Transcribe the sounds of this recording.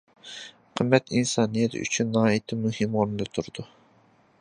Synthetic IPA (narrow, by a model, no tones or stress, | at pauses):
qʰəmːɛt̪insɑːnijɛt̪ʰy̰t͡ʃʰynːɑːit̪ʰɪmyhɪmʁoɾnɨlɨt̪ʰuɾd̪̥u